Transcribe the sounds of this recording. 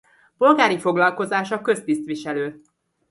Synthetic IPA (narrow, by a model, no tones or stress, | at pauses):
po̞lɡaːɾifo̞ɡlɒlko̞zaːʃɒkø̞st̪ist̪ʋiʃɛløː